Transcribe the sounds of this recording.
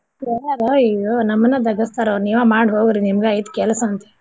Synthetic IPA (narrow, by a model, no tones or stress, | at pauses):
ɛɐɾoijonɐmːɐnːɐd̪ɐɡɐst̪aːɾoniːʋamaːɽɦoːɡiɾinimɐɡeɐjt̪kɛlɐsɐnt̪e